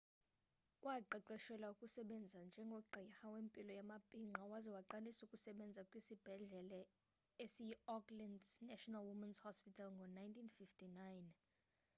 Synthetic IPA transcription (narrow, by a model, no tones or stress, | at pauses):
wʔaǃɛǃɛʃɛlaukʼusɛɓɛnd͡zʱand͡ʒʱɛŋɡʱɔǃʱixawempʼilɔjamapʼiŋ͡ǃʱawazɛwaǃalisukʼusɛɓɛnd͡zʱakʼwisib̥ʱɛɮɛlɛ | esijɔklɛndnɛʃɔnalwumɛnshɔspitʰalŋɡʱɔnajntʰinfiftʰʼinajn